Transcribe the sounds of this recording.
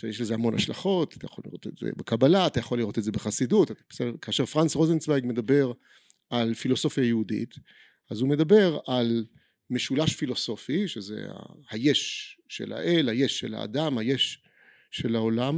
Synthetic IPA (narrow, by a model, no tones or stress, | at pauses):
ʃejeʃlezehamo̞na̰ʃlaχo̞tḁtajaχolḭʁo̞̰t̪etzḛbekabalaːt̪ajaχolːiʁo̞tetzebeχasidutb̥esedekaːʃeʁfʁansʁozensbeɡme̞dabe̞ʁ | ʔalfilo̞so̞fjajeudḭt | azume̞dabe̞ʁal | meʃulaʃfilo̞so̞fiʃezḛa̰hajeʃʃe̞̰la̰ʔelhajeʃːelha̰ːdamhajeʃː | e̞lao̞lam